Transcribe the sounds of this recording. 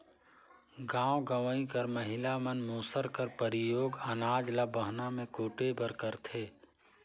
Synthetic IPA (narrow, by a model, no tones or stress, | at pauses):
ɡãːwɡəʋəĩkɐɾməɦɪlamənmoːsəɾkəɾpəɾɪjoːɡənaːd͡ʒlabəɦnamẽkoːʈebəɾkəɾt̪ʰeː